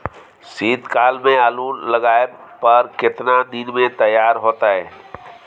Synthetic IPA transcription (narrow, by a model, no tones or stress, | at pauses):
siːd̪kaːlmẽaːluːnləɡaːepəɾkɪt̪nad̪ɪnmẽt̪əjːaːɾɦoːt̪aɦɛː